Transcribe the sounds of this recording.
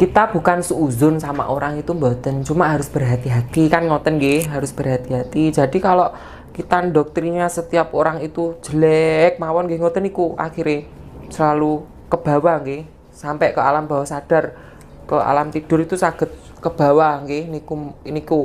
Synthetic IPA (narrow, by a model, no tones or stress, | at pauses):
kit̪ab̥ṳkansuuzʊnsama̰ʔoɾaŋit̪umbɔt̪ənt͡ʃumaɦaɾʊsb̥ərɦat̪iɦat̪ikanŋɔt̪ənɡeɦaɾʊsb̥ərɦat̪iɦat̪i̥d͡ʒ̥a̤dikalɔʔ | kit̪andɔk̚t̪ɾiɲasət̪iap̚oɾaŋit̪u̥d͡ʒ̥əlɛk̚mawɔnɡeŋɔt̪ənikua̰kxiɾesəlalu | kəb̥a̤waŋke | sampɛʔkəalamb̥a̤wasad̥a̤r | kəa̰lamt̪id̥ʊɾit̪usaɡ̥ə̤t̪̚ | kəb̥a̤waŋkenikuniku